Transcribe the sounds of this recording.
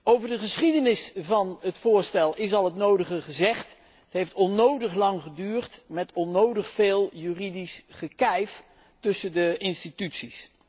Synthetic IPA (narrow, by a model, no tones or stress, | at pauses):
owvəɹdəχəsχidənɪsvɑnɦətfʊːɹstɛlˠɪs̬ɑlˠɦətnowdəχəχəzɛχt | ətɦejftɔnowdəχlɑŋχədyːrtmɛtɔnowdəχfeːlˠjyːridisχəkɛjf | tɵsəndəɪnstitytsis